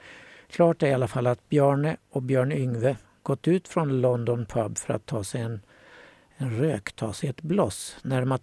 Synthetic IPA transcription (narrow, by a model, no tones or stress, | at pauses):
kʰlɑːʈæɾɪalːafalːat̪̚bjœːɳəɔkbjœːɳʏŋvə | ɡ̥ɔt̪ːʉ̟ːt̪fɾɔnlɔnd̪ɔnpʰabːfœɾa̰t̪ʰːɑːsɛjɛn | ɛnɾøːkt̪ʰɑ̰ːsɛjɛt̪blɔsnæɾma